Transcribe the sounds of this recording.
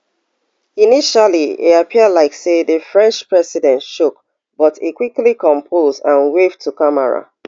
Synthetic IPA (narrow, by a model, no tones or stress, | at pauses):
iniʃaliḛapʰiəlaɪkseðəfɹɛ̃nt͡ʃpɹɛsidɛ̃ntʃuk | b̥ɔtekwiklikɔ̃mpʰozdãnwevtʰukamɛɹa̰